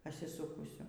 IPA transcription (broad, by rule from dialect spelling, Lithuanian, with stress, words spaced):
pɐsʲɪˈsuːkʊsʲʊ